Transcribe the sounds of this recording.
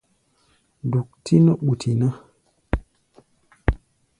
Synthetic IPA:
du˨k̚tʰi˦no˦ɓu˨tʰi˨na˦

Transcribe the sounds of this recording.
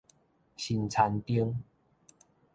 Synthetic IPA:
ɕi˨nt͡sʰa˨˧˦nt̪i˦əŋ

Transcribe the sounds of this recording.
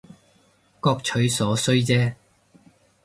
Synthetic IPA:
kɔː˧k̚t͡ʃʰɵ˨˥ɥsɔː˨˥sɵ˥ɥt͡sɛː˥

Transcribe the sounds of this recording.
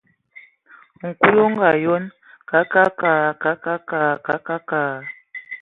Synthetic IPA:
ŋ̩˨ku˦jo˦ŋ˦ɡa˨jo˦n | ka˨˦ka˦ka˨ka˨˦ka˦ka˨ka˨˦ka˦kaː˨

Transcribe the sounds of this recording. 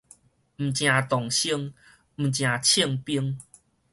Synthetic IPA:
m̩˨˩t͡ɕj̃ã˨˩t̪ɔ˨˩ŋɕi˥˧ŋ | m̩˨˩t͡ɕj̃ã˨˩t͡ɕʰi˥˧əŋpi˦əŋ

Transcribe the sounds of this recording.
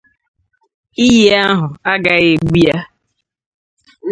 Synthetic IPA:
i˦ɦe˦a˦ɦʊ˨a˦ɡa˨ɣe˨ɡ͡bi˦ja˦

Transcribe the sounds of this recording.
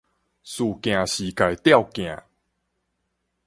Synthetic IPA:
su˨˩kj̃ã˨˩ɕi˨˩ka˨jt̪ja˥˧wkj̃ã˨˩

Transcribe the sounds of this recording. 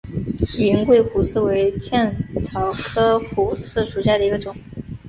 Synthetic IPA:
y˨i˧˥ŋkwe˥˩ɪxu˨˥sɹ̩˥˩we˧˥ɪt͡ɕjɛ˥˩nt͡sʰɑ˧˥ʊkʰɤ˥fu˨˩sʰɹ̩˥˩ʂu˨˩ɕja˥˩d̪ə˩i˧˥ɡə˧ʈ͡ʂʊ˨˩˦ŋ

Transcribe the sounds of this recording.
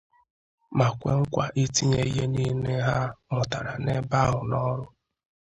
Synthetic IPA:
ma˨kʷe˦ŋ̩˦kʷa˨ʔi˦ti˦ɲe˦i˦ɦe˦ni˦ne˦ɦa˦mʊ˨ta˨ɾa˨ne˦ba˦ɦʊ˨nɔ˦ɾʊ˦

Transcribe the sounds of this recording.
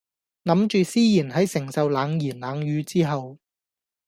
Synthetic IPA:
nɐ˨˥mt͡ʃyː˨˧siː˥jiː˨˩nɦɐ˨˥jsɪ˨˩ŋsɐ˨wlaː˨˧ŋjiː˨˩nlaː˨˧ŋjyː˨˧t͡siː˥ɦɐ˨w

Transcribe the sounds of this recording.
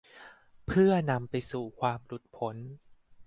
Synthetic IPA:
pʰɯ˥˩ɐna˧mpa˧jsuː˨˩kʰwaː˧mlu˨˩t̪̚pʰo˩˦n

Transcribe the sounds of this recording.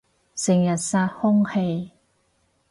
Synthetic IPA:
sɪ˨˩ŋjɐ˨˩t̚saː˧t̚hʊ˥ŋhe˧j

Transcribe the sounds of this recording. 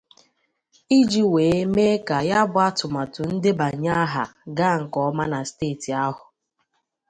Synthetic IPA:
i˦d͡ʒi˦weː˨e˦me˦ka˨ja˦bʊ˦a˦tʊ˨ma˨tʊ˨n̩˦dɪ˦ba˨˦ɲa˦ɦa˨ɡa˦˨ŋ̩˨kɔ˦ma˦na˨steː˦˨ti˨a˦ɦʊ˨

